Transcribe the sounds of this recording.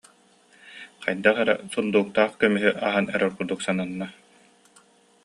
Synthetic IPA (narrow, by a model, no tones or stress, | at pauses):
qajd̪aχɛɾɛ̰sund̪uːk̚t̪aːχkœmyɦyʔaɦanɛɾœɾkuɾd̪uksananːa